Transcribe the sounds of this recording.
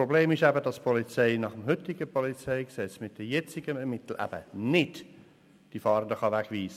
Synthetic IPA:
pɾobleːmɪʃæbədɑspʰɔlit͡sɛɪnɑχəmɦʏtɪɡəpʰɔlit͡sɛɪksɛt͡smɪt̚d̥ɛjɛt͡sɪɡəɛɾmɪtl̩ʔæ̰b̥ə̰nɪd | d̥ifɑːɾəndəχɑʋækʋiːsə

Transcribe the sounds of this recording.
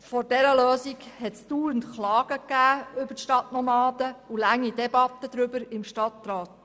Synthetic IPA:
fɔɾdɛɾəløːsiɡhɛtstuːəntχlɑːɡ̥əkːæːʏbətʃtɑtnɔmɑːd̥̪əulæŋːidɛbɑt̪ːəd̥̪ɾʏbəɾɪmʃtɑt̪ɾɑːt

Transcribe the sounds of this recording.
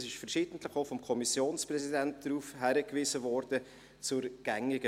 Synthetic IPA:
sɪʃfɛɾʃiːd̥əntləχoʊfɔmkʰɔmisjoːnsprɛzidɛnt̚d̥ɾuːfhæɾəkʋiːzəvɔɾdə | t͡sʊɾɡ̥ɛŋɪɡə

